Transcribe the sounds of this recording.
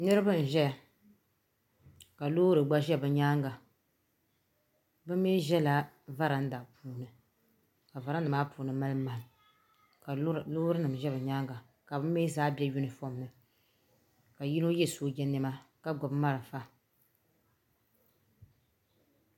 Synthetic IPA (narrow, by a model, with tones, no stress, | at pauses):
nɨ˦ɾɨ˦bɨ˦˨n̩˨ʒɛ˦a˨ | ka˨loː˦ɾɨ˨ɡ͡ba˦ʒɛ˦bɨ˨ɲaː˦ŋɡa˨ | bɨ˦mː˦e˦ʒɛ˦la˦ | va˦ɾa˨n̩˦da˨pʰuː˦nɨ˨ | ka˨va˨ɾa˦n˦dɨ˨maː˦puː˨˦nɨ˨ma˦lɨ˦ma˨ŋ˨ | ka˨loː˦ɾɨ˦nɨ˨m˨ʒɛ˦bɨ˨ɲaː˦ŋɡa˨ | ka˨bɨ˦mː˦eː˦zaː˦bɛ˦ju˦nɨ˨fo˦m˦nɨ˨ | ka˨ji˦no˦jɛ˦˨soː˦d͡ʒɛ˦nɨ˦ma˦ka˦ɡɔ˨bma˦ɾɨ˨fa˦